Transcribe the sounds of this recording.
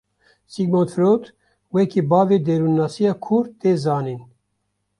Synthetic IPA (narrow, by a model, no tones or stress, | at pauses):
siɡmont̪fɾot̪ | wɛkʰiːbɑːveːd̪eɾunːaːsijaːkʰuɾt̪eːzɑːniːn